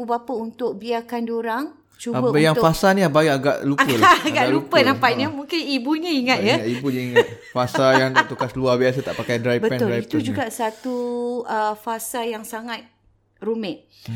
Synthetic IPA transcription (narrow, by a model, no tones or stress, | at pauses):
ubapəunt̪ʊk̚biakandioɾaŋ | t͡ʃuabəbəjaŋtfasaniabaiaɡa̰ʔlupəaɡaʔlupənampaʔɲəmuŋkɪnibuɲə̃iŋat̪̚jəŋat̪ibuɲəiŋ̚ | fasajaŋt̪at̪ukasluahbiasət̪a̰ʔpakajdɾajbəɛʊlajit̪d͡ʒuɡaʔsat̪uʔəfasajaŋsaŋat̪̚ | rumɛt̪̚